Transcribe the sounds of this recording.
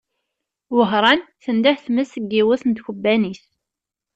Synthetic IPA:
wəɦɾˤɑnθənd̪æhθməsəɡːiwəθənt̪çəbːænis

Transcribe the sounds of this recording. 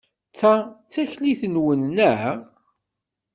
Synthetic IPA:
t͡sːat͡sæçliθənwənːəʁ

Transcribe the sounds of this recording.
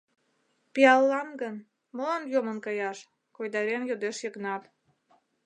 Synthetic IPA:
piɑlːɑnɡən | mɤlɑmjomə̆nkɑjɑʃ | kojd̪ɑɾenjod̪eʃjəknɑp

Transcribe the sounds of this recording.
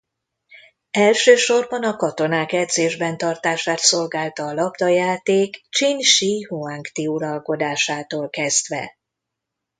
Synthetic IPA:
ɛlʃøːʃo̞rbɒnɒkɒt̪o̞naːkɛd̪zeːʒbɛnt̪ɒrt̪aːʃaːt̪so̞lɡaːlt̪ɒːlɒbd̪ɒjaːt̪eːkt͡ʃinʃiɦuaŋkt̪iuɾɒlko̞d̪aːʃaːt̪oːlkɛzd̪ʋɛ̰

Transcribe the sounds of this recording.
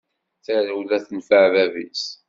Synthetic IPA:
θæɾwðæθənfəʕvævis

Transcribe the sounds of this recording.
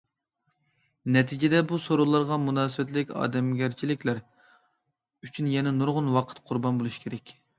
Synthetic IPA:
nɛt̪ʰid͡ʒɪd̪ɛbusoɾolˠɑɾʁɑmunɑːsɨwɛt̪lɪkʲɑ̰ːd̪ɛmɡʲɛɾt͡ʃʰilɪkʲlæɾ | yt͡ʃʰynjɛnɛnuɾʁʊnwɑqʰə̥t̪qʰʊɾbɑnbolˠuʃkʲʰeɾɛkʲ

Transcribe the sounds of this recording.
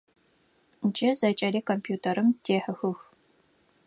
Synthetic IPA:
nd͡ʒʼɐzɐt͡ʃʼɐliːkʰompʰjuːtʰɐɾɨmtʰeːħəxɨx

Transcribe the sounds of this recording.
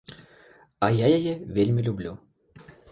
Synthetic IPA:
ɐjajajɛvʲelʲmʲilʲublʲu

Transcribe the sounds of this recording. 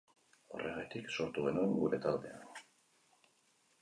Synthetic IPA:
o̞̰rʔe̞ɣat̪ikso̞ɾt̪uɣe̞nueŋɡuɾe̞t̪ald̪e̞a̰n

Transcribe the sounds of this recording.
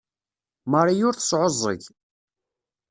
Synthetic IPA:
məɾˤijʊɾθə̥sˤʕozˤːə̰ʝ

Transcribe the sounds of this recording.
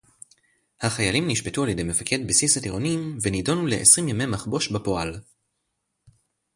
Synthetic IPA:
haχajalimniʃbe̞tualjede̞jme̞fakʰe̞dbisisatiʁo̞nimvenido̞nule̞ʔḛsʁimjamemaχbo̞ʃbapo̞al

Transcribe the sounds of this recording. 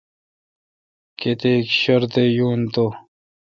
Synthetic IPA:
ket̪ekɕɐɾt̪ejuːnt̪o

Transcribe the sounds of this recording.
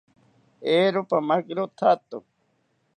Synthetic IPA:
eːɾopamakɾot̪ʰat̪o̰

